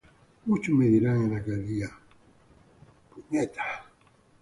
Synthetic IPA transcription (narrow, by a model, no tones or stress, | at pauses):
mut͡ʃumeðiɾaŋenakaðia | puɲɛt̪ḁ